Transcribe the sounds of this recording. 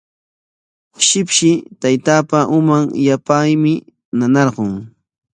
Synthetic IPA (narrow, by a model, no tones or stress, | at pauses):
ʃɪpʃɪt̪ajt̪aːpaʔʊmaŋjapajmɪ | nanɑɾɢoŋ